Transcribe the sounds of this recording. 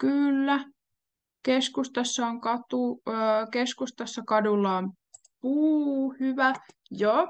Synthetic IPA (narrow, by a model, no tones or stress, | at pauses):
kylːæ | keskust̪ɑsːɑoŋkɑt̪ukeskust̪ɑsːɑkɑdulːɑom | puːhyʋæ | jo